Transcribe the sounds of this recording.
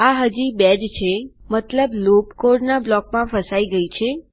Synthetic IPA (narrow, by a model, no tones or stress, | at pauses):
aɦəd͡ʒibɛd͡ʒt͡ʃʰemət̪ləblopkoɾɖnablɔkmãfəsaiɡəit͡ʃʰe